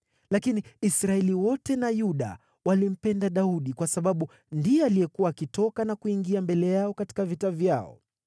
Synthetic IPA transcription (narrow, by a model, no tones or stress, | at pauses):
lakiniisɾaɛliwɔtɛnajuɗa̰ | walim̩pɛndaɗauɗikwasaɓaɓu | ndiɔalijɛkuwaːkitɔkanakuiŋɡiambɛlɛjaɔkati̥kavitavjaɔ̰